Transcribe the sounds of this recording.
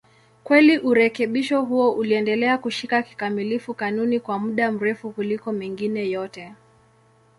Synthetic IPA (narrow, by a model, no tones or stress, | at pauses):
kwɛliʔuɾɛkɛɓiʃɔɦuɔʔuliɛndɛlɛakuʃikaki̥kamilifukanunikwamuɗam̩ɾɛfukulikɔmiŋɡinɛjɔtɛ